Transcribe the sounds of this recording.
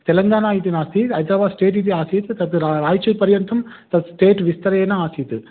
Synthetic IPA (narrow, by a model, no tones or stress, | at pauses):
t̪ɛlɐŋɡaːnaːjit̪inaːst̪iɐjt̪ɐbaːsʈeːʈ̬it̪̬iaːsit̪ɯt̪ɐt̪ːɾaɾaːjt͡ʃːɐpɐɾjɐnt̪ɐmt̪ɐt̪sʈeːʈʋɪst̪ɐɾɐjeːnɐaːsijt̪ɯ